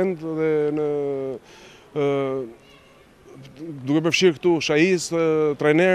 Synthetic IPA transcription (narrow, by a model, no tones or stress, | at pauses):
ɛnt̪ðɛnə | d̪ukɛp̬əɾfʃiɾkt̪uʃajist̪ɾajnɛ